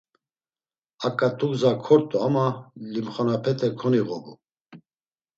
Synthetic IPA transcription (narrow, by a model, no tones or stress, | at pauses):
akʼat̪ʰʼuɡzakʰɔɾt̪ʼuamalimχanapʰɛt̪ʰʼɛkʰɔniɣɔbu